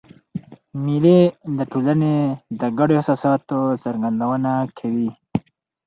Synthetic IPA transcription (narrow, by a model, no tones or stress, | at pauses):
miled̪əʈʰolaned̪əɡaɖoasasɑt̪ot͡səɾɡand̪awənakʰawi